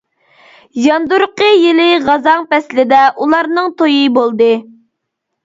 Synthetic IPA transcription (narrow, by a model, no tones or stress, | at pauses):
jɑnd̪uɾqʰəjɪlɪʁɑzɑŋpɛslɪd̪ɛʔulˠɑɾnɨŋt̪ʰojibolˠd̪ɨ